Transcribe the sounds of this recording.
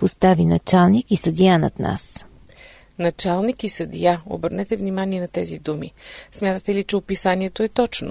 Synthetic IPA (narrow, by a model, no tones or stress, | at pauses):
post̪avinɐt͡ʃalˠnikisəd̪ianɐ̰t̪na̰s | nɐt͡ʃalˠnikisəd̪ijao̰bəɾnɛt̪ɛvnimaniɛnɐt̪ɛzid̪umḭsmʲjat̪ət̪ɛlit͡ʃɛopisaniɛt̪oɛt̪ɔt͡ʃno̰